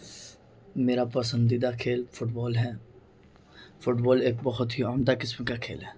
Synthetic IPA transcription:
meːɾapɐsə̃nd̪id̪akʰeːlfʊʈbɔːlɦɛ | fʊʈbɔːleːk̚bɐɦʊt̪ɦiaːmd̪akɪsmkakʰḛːlɦɛː

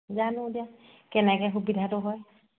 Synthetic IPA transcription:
zanʊ̃dija | kɛnɛkɛxubidʱatʊɦɔj

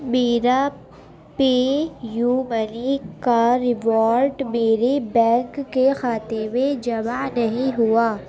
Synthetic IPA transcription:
meːɾa | peːjuːmənikaɾɪʋɔːɾɖmeːɾebɛ̃ːŋkːexaːt̪eʋed͡ʒɐmanɐɦĩɦuaː

